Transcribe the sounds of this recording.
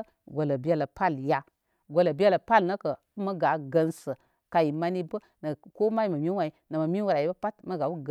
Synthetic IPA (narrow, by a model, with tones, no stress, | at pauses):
ɡʷo˨lə˨bi˦a˦lə˨pa˦˨lja˨ | ɡʷo˨lə˨bi˦a˦lə˨pa˦lnə˦kə˨˦mə˦ɡa˨˦ɡə˧nsə˨ | ka˨ji˨ma˦ni˦bə˦ | nə˨ko˦ma˦i˦˨mə˨mʲi˦wa˨i˨˦nə˨mə˨mi˦wu˦ɾa˨i˦bpa˦tmə˦ɡa˨wu˦ɡ